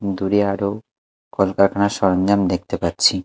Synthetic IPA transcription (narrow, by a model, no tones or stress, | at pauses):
d̪uɾiaɾo | kɔlkakanaʃɔɾɔnd͡ʑamd̪ek̚ʰt̪epat̪ːt͡ɕʰi